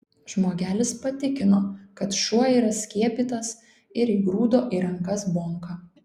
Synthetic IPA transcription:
ʒ̥moːɡʲæːlʲɪspɐt̪ʲɪkʲɪnoːkɐt̪ʃuɔiːɾɐsʲkʲiɛpʲiːt̪ɐs | ɪɾiːɡɾuːd̪oːʔiːɾɐŋkɐsboːŋkɑ

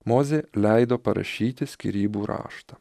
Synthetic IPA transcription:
moːzʲeːlʲɛɪd̪oːpɐɾɐ̰ʃʲiːt̪ʲɪsʲkʲḭɾʲiːbuːɾɑ̰ːʃt̪ɐ

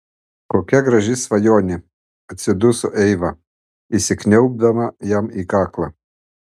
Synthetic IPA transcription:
koːkʲɛɡɾɐʒʲɪsʋɐjoːnʲɪ | ɐt̪ʲsʲɪd̪ʊsʊʔɛɪʋɐ | isʲɪknʲɛʊb̚d̪ɐmɐjɛmikɑːklˠɐ

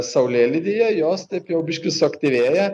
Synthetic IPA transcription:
sɐʊlʲeːlʲɪd̪ʲɪjɛjoːst̪ɛɪpjɛʊbʲɪʃkʲɪsʊɐkt̪ʲɪʋʲeːjɛ

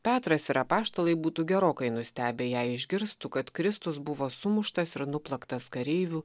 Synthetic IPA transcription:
pʲæːt̪ɾɐsɪɾɐpɑːʃt̪olˠɐɪbuːt̪uːɡʲɛɾoːkɐɪnʊsʲt̪ʲæːbʲeːjæːɪʒʲɡʲɪɾst̪ukɐt̪kɾʲɪst̪ʊsbʊʋoːsʊmʊʃt̪ɐsɪɾnʊplˠɐkt̪ɐskɐɾʲeɪʋʲuː

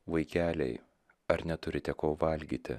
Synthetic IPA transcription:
ʋɐɪkʲæːlʲɛ̰ɪ | ɐɾnʲɛt̪ʊɾʲɪt̪ʲɛkoːʋɐlʲɡʲiːt̪ʲɪ̰

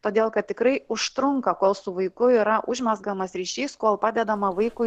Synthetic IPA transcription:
t̪oːd̪ʲeːlˠkɐt̪̚ʲt̪ʲɪkɾɐɪʊʃt̪ɾʊŋkɐkoːlˠsʊʋɐɪkʊiːɾɐʔʊʒʲmʲɛzɡɐmɐsɾʲiːʃʲiːskoɔlˠpɑːd̪ʲɛd̪ɐmɐʋɐɪkʊ

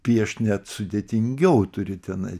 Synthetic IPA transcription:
pʲiɛʃnʲæt̪sʊd̪ʲeːt̪ʲɪŋʲɡʲɛʊt̪ʊɾʲɪt̪ʲɛnɐ̰ɪ

